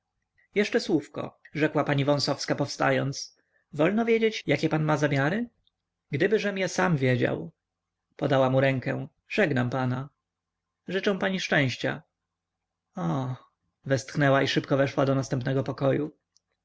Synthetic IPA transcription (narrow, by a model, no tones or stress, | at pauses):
jɛʂt͡ʂɛswufkɔ̰ʐɛkwapaɲivɔ̃sɔfskapɔfst̪a̰jɔnt̪s | vɔlnɔvʲjed͡ʑet͡ɕjakʲɛpanmazamʲjaɾɘ | ɡd̪ɘbɘʐɛmjasamvʲjed͡ʑa̰w | pɔd̪awamuɾɛŋkɛ̰̃ | ʐɛɡnampana | ʐɘt͡ʂɛ̃w̃paɲiʂt͡ʂɛ̃w̃ɕt͡ɕa̰ | ɔ | vɛst̪xnɛwaiʂɘpkɔvɛʂwad̪ɔnast̪ɛmpnɛɡɔpɔkɔju